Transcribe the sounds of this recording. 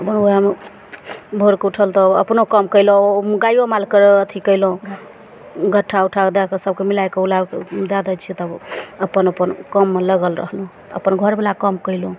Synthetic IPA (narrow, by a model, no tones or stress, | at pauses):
əpənoam | bʱoɾkeuʈʰəlt̪ɔəpnokəmkəjlɡajomalkəɾeət̪ʰikəjlũ | ɡʱəʈʰːauʈʰad̪ekesəb̚kemilajkeulakd̪ad̪ət͡ʃʰit̪əəpənəpənkəmːeləɡəlɾə̰ɦlũ | ə̰pənɡʱəɾbelakəmkəɪlõ